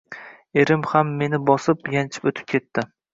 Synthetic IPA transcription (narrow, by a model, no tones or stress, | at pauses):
e̞ɾɪmhamːe̞nɪbɒsɪpjant͡ʃʰɪ̥pot̪ʰɪ̥p̚kʲʰe̞t̪ːɪ